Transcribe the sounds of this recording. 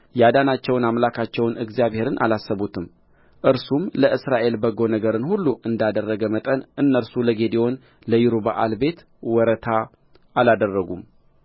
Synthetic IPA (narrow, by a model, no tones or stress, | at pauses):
jad̪anat͡ʃːɛwnamlakʰat͡ʃːɛwnɨɡzijaβhe̞ɾɨnʔa̰lasːəβut̪ʰɨm | ʔɨɾsumləʔɨsɾaʔe̞lbəɡo̞nəɡəɾɨnhulːuʔɨnd̪ad̪ərːəɡəmət̪ʼənʔɨnːəɾsuləɡe̞d̪io̞n | ləjiɾuba̰ʔalbe̞t̪ | wɔɾət̪ʰa | ʔalad̪ərːəɡum